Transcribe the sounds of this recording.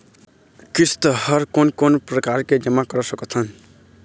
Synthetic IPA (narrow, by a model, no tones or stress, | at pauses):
kist̪ʌhʌɾkonkonprʌkaɾked͡ʒʌmakʌɾʌsʌkot͡sʰʌn